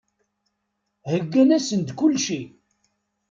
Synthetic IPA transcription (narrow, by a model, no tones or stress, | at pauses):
həɡːænæsənd̪kʊlːʃi